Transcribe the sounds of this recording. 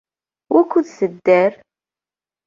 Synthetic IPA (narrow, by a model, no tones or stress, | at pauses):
wʔækʷːuðθəd̪ːæɾ